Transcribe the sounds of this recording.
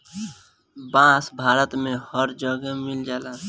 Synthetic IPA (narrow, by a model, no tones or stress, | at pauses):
bãːsbʱaːɾət̪mẽhəɾd͡ʒəɡəmɪld͡ʒaːlaː